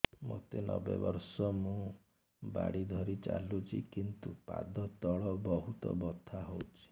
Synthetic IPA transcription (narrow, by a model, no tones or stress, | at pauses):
mot̪enɔbebɔɾsɔmũ | ba̰ɽid̪ʱɔɾit͡ʃa̰lut͡ʃʰikint̪upa̰d̪ɔt̪ɔɭɔbɔɦut̪ɔ̰bɔt̪ʰaɦowt͡ʃʰi̥